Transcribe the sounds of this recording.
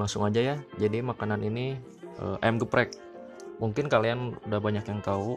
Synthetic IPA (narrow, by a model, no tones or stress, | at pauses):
aŋsʊŋad͡ʒajad͡ʒadimakananini | ʔə̰ːʔɛmɡəpɾɛk̚ | muŋkɪnkalianudaɦbaɲakjaŋt̪au